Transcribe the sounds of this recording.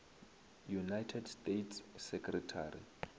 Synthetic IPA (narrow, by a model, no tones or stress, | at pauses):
junajtʰɛdstʼetʰssɛkʰʼrɛtʰarḭ